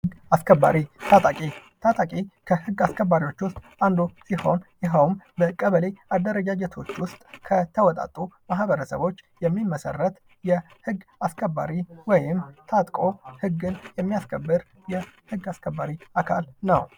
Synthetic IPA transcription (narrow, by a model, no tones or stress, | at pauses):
hɡaskʰəbːa̰ɾit̪ʰat̪ʼakʼit̪ʰat̪ʼakʼikʰəhɨɡːaskʰəbːaɾiwo̞t͡ʃːwʊst̪ʼand̪usiho̞njɛɦəwmbəkʼəβəlead̪ːəɾəd͡ʒad͡ʒɛt̪ʰo̞t͡ʃːwʊst̪ʼkʰət̪ʰəwɔt̪ʼa̰t̪ʼːumahbəɾəsə̰βo̞t͡ʃːjɛmːimːəsə̰rːət̪ | jɛ | hɨɡːaskʰəbːa̰ɾiwɔjɪmt̪ʰat̪ʼkʼo̞hɨɡːɨnjɛmːijaskʰəbːɨɾ | jɛhɨɡːaskʰəbːaɾiakʰalnəw